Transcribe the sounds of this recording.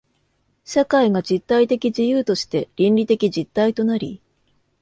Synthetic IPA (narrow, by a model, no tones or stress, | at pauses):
ɕakaiɡad͡ʑit̪ːait̪e̞kʲid͡ʑijɯːt̪o̞ɕi̥t̪e̞ɾʲĩnɾʲit̪e̞kʲid͡ʑit̪ːait̪o̞naɾʲi